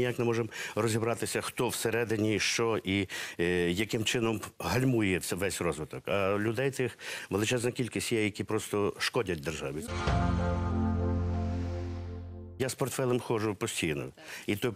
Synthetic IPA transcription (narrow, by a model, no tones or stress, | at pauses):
jaknɪmɔʒemrɔzʲibɾɑt̪ɪsʲɐxt̪ɔwseɾɛd̪ɪnʲiʃt͡ʃɔʔi | jɐkɪmt͡ʃɪnɔmɦɐlʲmujjɛʋɛsʲrɔzʋɪt̪ɔkɐlʲʊd̪ɛjt̪ɪxʋelˠɪt͡ʃɛznɔkʲilʲkʲisʲtʲjɛjɐkʲipɾɔst̪ɔʃkɔdʲɐt̚ʲd̪erʒɑʋi | jaspɔrt̪fɛlˠɛmxɔʒʊpɔsʲtʲijnɔ̰ | it̪ɔ